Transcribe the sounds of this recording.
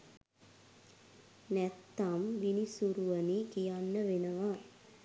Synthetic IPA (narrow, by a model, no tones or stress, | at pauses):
nɛt̪ːamʋinisuɾuʋənikijanːəʋenəʋa